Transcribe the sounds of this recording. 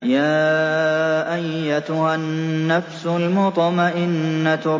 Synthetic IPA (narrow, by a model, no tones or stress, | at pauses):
jaː | ʔajːat̪ʊhanːafsʊlmʊt̪ˤmaʔɪnːat̪ʊ